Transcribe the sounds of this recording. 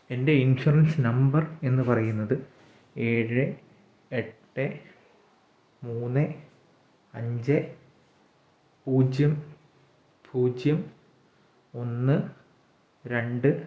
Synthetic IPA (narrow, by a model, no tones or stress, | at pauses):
e̞nde̞inɕurɐnsɨnɐmbɐre̞nːɨpɐrɐjunːɐðɨ | e̞ːɻɨ | eʈːɨ | muːnːɨ | ɐɲd͡ʑe | puːd͡ʑjɐm | pʰuːd͡ʑjɐm | o̞nːɨ | ɾe̞ɳɖɨ